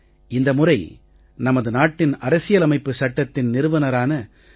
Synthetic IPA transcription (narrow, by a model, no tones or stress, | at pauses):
ɪnd̪ɐmʊrɐɪ | nɐmɐðɯnaːʈːɪnɐɾɐsɪjɐlɐmɐɪpːɯsɐʈːɐt̪ːɪnnɪɾɯʋɐnɐɾaːnɐ